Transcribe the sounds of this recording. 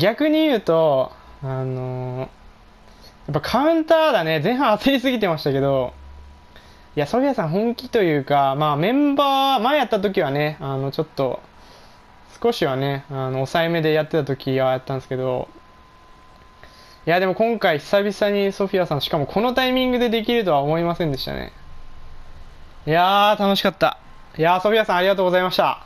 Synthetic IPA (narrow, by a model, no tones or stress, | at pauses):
ɡʲakɯ̟ɲ̟ijɯ̟ːt̪o̞ano̞ | jap̬ːakʰaɯ̟̃nt̪aːd̪ane̞zẽ̞ɰ̃ɦãɰ̃at͡sɨɾʲisɨɡʲit̪e̞maɕi̥t̪ake̞d̪o̞ | iaso̞ɸʲijasãɰ̃ɦõ̞ŋkʲit̪o̞jɯ̟ːkamaːmẽ̞mbaːmaejat̪ːat̪̬o̞kʲiβ̞ane̞ano̞t͡ɕo̞t̪ːo̞ | sɨ̥ko̞ɕiβane̞ano̞ːsaeme̞d̪e̞jat̪ːe̞t̪at̪okʲiɡajat̪ːãñesɨ̥ke̞d̪o̞̰ | jad̪e̞mo̞kõ̞ŋkaiçi̥sabʲisaɲ̟iso̞ɸʲiasãɕi̥kamo̞kʰo̞no̞t̪aimʲĩŋɡɯ̟d̪e̞d̪e̞k̬ʲiɾɯ̟t̪o̞βaomo̞imasẽnd̪e̞ɕi̥t̪a̰nḛ | jaːt̪ano̞ɕi̥kat̪ːa̰ | jaso̞ɸʲiasãaɾʲiɡat̪oːɡo̞zaimaɕt̪a̰